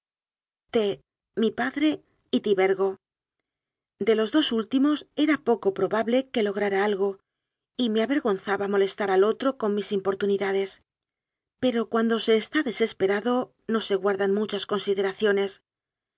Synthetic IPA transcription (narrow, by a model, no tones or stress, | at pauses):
t̪e | mipaðɾe̞ | it̪iβe̞ɾɣo̞ | d̪e̞lo̞zðo̞sult̪imo̞se̞ɾapo̞ko̞pɾo̞βaβle̞ke̞lo̞ɣ̞ɾaɾaalɣo̞ | ime̞aβe̞ɾɣo̞nθaβamo̞le̞st̪aɾalo̞t̪ɾo̞ko̞nmisimpo̞ɾt̪uniðaðe̞s | pe̞ɾo̞kwand̪o̞se̞ːst̪aðe̞se̞spe̞ɾaðo̞ | no̞se̞ɣwaɾðanmut͡ʃasko̞nsiðe̞ɾaθjo̞ne̞s